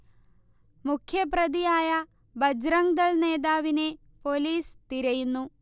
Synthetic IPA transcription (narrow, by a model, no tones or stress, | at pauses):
mukʰjɐpɾɐd̪ijaːjɐ | bɐd͡ʒɾɐŋɡd̪ɐɭneːd̪aːʋine | poːliːst̪iɾɐjunːu